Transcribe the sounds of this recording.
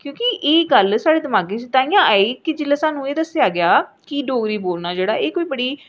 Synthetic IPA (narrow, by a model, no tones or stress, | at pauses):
kjõːkɪʔeːɡəlsaːɽeːd̪əmaːɡẽːt͡ʃɪt̪aːĩjãːʔaːeːkɪd͡ʒɪlːaːsaːnũːeːd̪əsɪaːɡɪjaːkiɖoːɡɾiːboːlnaːd͡ʒeːɽaːʔeːkoːiːbəɽiː